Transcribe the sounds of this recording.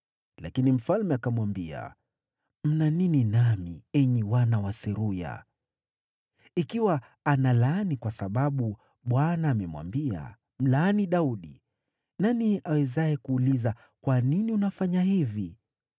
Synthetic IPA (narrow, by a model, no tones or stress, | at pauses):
lakinim̩falmɛakamwambia̰ | m̩nanininamḭɛɲiwanawasɛɾuja̰ | ikiwa | analanikwasaɓaɓu | ɓwanaːmɛmwa̰mbia̰ | m̩laːniɗauɗḭ | naniawɛzajɛkuːliza | kwaniniunafaɲaɦivi